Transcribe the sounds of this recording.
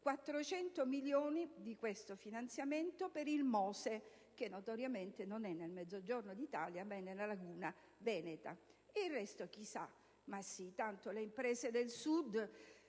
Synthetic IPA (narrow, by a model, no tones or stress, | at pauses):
kwat̪ːɾot͡ʃɛnt̪omiljoːnid̪ikwest̪ofinant̪sjament̪opeɾilmɔːse | k̟enːot̪oɾjament̪enonɛnːelmɛd̪zːod͡ʒornod̪it̪aːljamɛnːelalaɡuːna | vɛːnet̪a̰ | eirːɛst̪ok̟isa | masːit̪ant̪oleimpɾɛːzed̪elsud̪